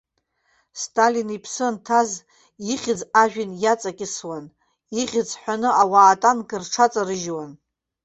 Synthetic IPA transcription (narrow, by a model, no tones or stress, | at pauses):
stʼalinipʰsɨntʰaz | iχʲɪd͡zaʒᶣɪnjat͡sʼakʲʼɪswan | iʁʲɪd͡zħʷᶣanɨawaːtʼankʼɨrʈ͡ʂʰat͡sʼarɨʒwan